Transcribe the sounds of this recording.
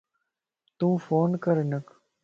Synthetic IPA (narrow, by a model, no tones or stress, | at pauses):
t̪ũːfoːnkəɾnək